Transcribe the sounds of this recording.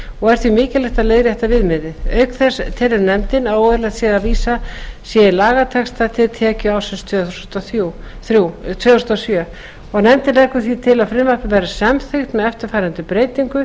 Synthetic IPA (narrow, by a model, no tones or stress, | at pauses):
ɔɣɛɾ̥θvimɪːcɪlɪht̪aðleːjɣɾɪɛt̪ːavɪðmɪðɪœɥkθɛst̪ʰɛlɪɾnɛmt̪ɪnaðoːðɪlasjɛðaðviːsasjɛlaːɣat̪ʰɛkst̪at̪ʰɪlt̪ʰɛːcʏaːwsɪnst̪ʰœθust̪u | θut̪ʰvœθust̪ɔsjœː | ɔɣnɛmt̪ɪlɛkːʏθvit̪ʰɪlaðfɾɪmvapɪpɛjɾasamθʏxt̪nɛɛft̪ɪɾ̥faːjɾant̪ʏpɾeːjt̪iŋkʏ